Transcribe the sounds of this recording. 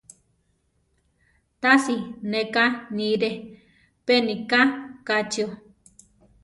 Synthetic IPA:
t̪asinekanĩɾe | penikakat͡ʃio

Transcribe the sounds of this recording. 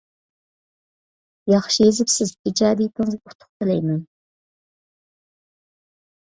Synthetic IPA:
jɑχʃijezɪpsɪzid͡ʒɑːd̪ijt̪ʰɪŋɨzɡʲut̪ʰʊ̥χ̚t̪ʰɨlɛjmɛn

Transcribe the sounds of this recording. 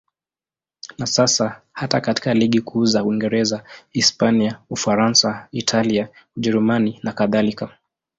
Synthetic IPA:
nasasa | hatakati̥kaliɠikʰuzauiŋɡɛɾɛzaispaniaufaɾansaitʰaliauʄɛɾumaninakaðalika

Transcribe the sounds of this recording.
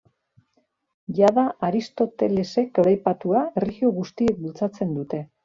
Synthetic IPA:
jaðaaɾist̪o̞t̪e̞le̞se̞kaɾajpat̪uae̞riɣio̞ɣust̪ie̞k̚bult͡sat͡se̞nd̪ut̪e̞

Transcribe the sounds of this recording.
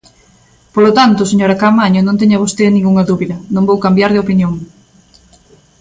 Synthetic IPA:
polot̪ant̪ʊseɲoɾɐkamaɲʊnõnt̪̬ɛɲɐβ̞ost̪enĩŋɡuŋɐðuβiðɐnõmbowkambjaɾðɪopinjoŋ

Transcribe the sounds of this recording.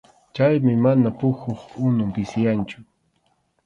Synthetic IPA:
t͡ʃajmɪmanapʊxoχʊnʊmpɪsɪjant͡ʃʊ̥

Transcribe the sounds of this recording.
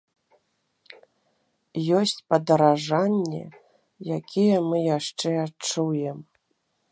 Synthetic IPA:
jɔsʲt͡sʲpɐd̪ɐɾaʐanʲːɛ̰ | jakʲʰijɛmɨjaʂt͡ʂɛat͡ʂujɛm

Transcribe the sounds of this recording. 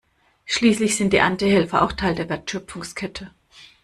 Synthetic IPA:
ʃliːslɪçz̥ɪnt̚d̥iːʔantihɛlfɐʔa̰ʊxtʰaɪldeːɐvɛːɐtʃœpp͡fʊŋskʰɛtʰə

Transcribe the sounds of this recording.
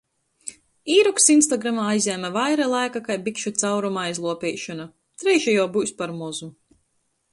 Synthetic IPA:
iːɾuksinst̪aɡɾamaːajzʲɛːmavajɾalˠajkakajbikʃut̪sawɾumaajzlˠuɔpʲɛːʃɔna | t̪ɾɛjʃajuɔbujspaɾmɔzu

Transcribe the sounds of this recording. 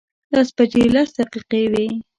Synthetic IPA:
d̪ɑspad͡ʒelasd̪aqiqewe

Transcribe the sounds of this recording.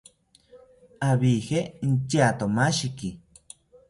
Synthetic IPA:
aβihen̩t͡ʃat̪omaʃiki

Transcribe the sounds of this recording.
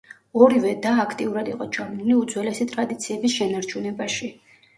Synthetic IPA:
ɔɾivɛd̪aːkʰt̪ʼiuɾad̪iqʼɔd͡ʒamniliud̪zwɛlɛsit̪ʼɾad̪it̪sʰiɛbisʃɛnaɾt͡ʃʰunɛbaʃi

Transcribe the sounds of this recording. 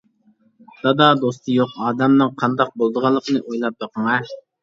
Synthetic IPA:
d̪̥ɑd̪ɑd̪ost̪ʰɨjoqɑːd̪ɛmnɨŋqʰɑnd̪ɑq̚bolˠd̪əʁɑlˠːəqənɨʔojlˠɑp̚bɑqʰəŋɑ

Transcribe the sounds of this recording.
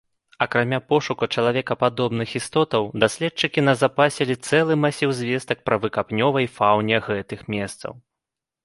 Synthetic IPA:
ɐkɾamʲapɔʂukɐt͡ʂɐlˠavʲɛkɐpad̪ɔbnɨxist̪ɔt̪ɐwd̪asʲlʲɛt̚t͡ʂɨkʲinɐzapasʲɛlʲit̪sɛlˠɨmasʲiwzʲvʲɛst̪ɐk̚pɾɐvɨkapnʲɔvɐjfawnʲɛɣɛt̪ɨxmʲɛst̪sɐ̰w

